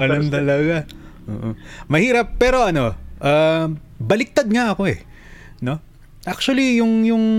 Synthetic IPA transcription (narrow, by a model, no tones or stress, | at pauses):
ɐlɐmt̪ɐlɐɡaʔo̰ːʔomɐhiːɾɐpːɛːɾo̞ʔɐno̞ʔaː | bɐlɪk̚t̪ad̪̚ŋaʔɐko̞ɛ̰ | no̞ | ʔak̚t͡ʃʊɐlijʊŋjʊŋ